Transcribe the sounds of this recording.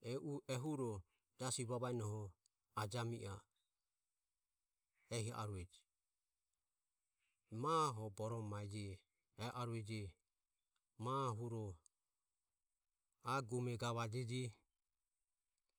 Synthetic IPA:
ɛʔuʔɛɦuɾɔ | d͡ʒasiβaβaɛnɔhɔ | ad͡ʒamiʔa | ɛhia̰ʔa̰ɾuɛd͡ʒi | maɦɔbɔɾɔmaɛd͡ʒɛː | ʔaɾuɛd͡ʒɛ | maɦuɾɔ | aɡumɛɡaβad͡ʒɛd͡ʒi

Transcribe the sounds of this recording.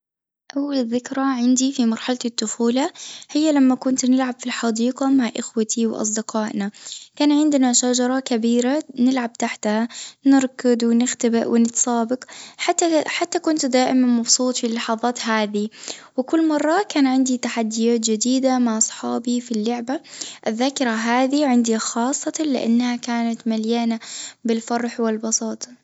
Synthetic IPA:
ʔawːalðːɪkɾˤɑʕɪnd̪ifimɑɾˤħalat̪ɪt̪ːʊfuːlahɪjːalamːakʊnt̪nɪlʕabfilħɑd̪iːqɑmaʕʔɪxwat̪ʰiwʔɑ̰sˤd̪ɪqɑːʔnakaːnʕɪnd̪naʃad͡ʒɑɾˤɑkabiːɾanɪlʕab̚t̪aħt̪hanɪɾkɪd̪wɪnɪxt̪abɪʔwɪnɪt̪sˤɑːbɪqħat̪ːaħat̪ːakʊnt̪d̪aːʔɪmanmɑbsˤuːt̪ˤfilːɑħɑðˤɑːt̪haːðiwɪkʊlːmɑrˤːɑkaːnʕɪnd̪it̪aħad̪ːɪjaːt̪d͡ʒɪd̪iːd̪amaʕʔɑsˤħɑːbifilːʊʕbaʔɪðːaːkɪɾaɦaːðiʕɪnd̪ixɑːsˤːɑt̪ɑlɪ̰ʔa̰nːhakaːnat̪maljaːnabɪlfɑrˤːħwɪlbɑsˤɑːt̪ˤ

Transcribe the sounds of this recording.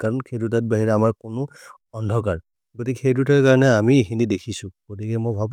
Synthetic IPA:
kaɹɔnkʰedutat̚baɦiɹɛamaɹkʊnʊ | ɔndʱɔkaɹ | ɡotikexedutaɹkaɹɔnɛamiexinidekʰisʊ̃ɡ̥otikɛmojbʱab

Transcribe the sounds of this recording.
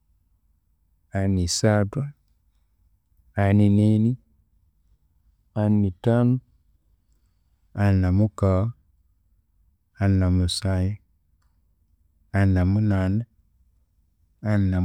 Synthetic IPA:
anisata | anineni | anːitanu | anamuka | anːamusaji | anːamunan | ana

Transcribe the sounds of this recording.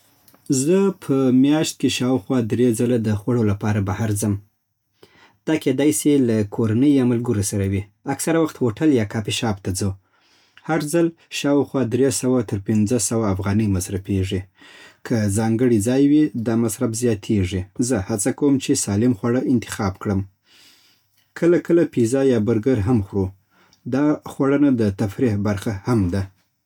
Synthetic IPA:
zəpʰəmjɑʃt̪̚keʃɑwxwɑd̪ɾed͡zalad̪əxwaɽolapɑɾabahaɾzəm | d̪̥ɑked̪ɑjsilakʰoɾanəjːɑmalɡəɾosaɾawiaksaɾawaxt̪hoʈaljɑkɑpiʃɑbt̪ad͡zo | haɾzalʃɑwxwɑd̪ɾesawat̪əɾpɪnd͡zəsawaːfɣɑnəjmasɾafeʐikʰazɑŋɡəɽid͡zɑjwid̪ɑmasɾabzjɑt̪ʰeʐizəhat͡sakawəmt͡ʃesɑlɪmxwaɽəʔɪnt̪ɪ̥xɑbkɽəm | kʰəlakʰəlapizɑjɑbʊɾɡəɾɦamxɽu | d̪ɑxwaɽənad̪ət̪afɾihbaɾxahamd̪a

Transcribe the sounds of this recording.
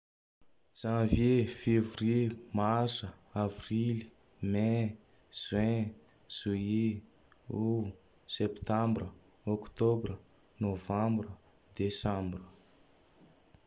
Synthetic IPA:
z̥ãvjefevremasəavrili̥ | me | zwɛ̃ | z̥ue | u | sept̪ãmbrə | ɔkt̪obrə | novãmbrə | d̪esãmbrə

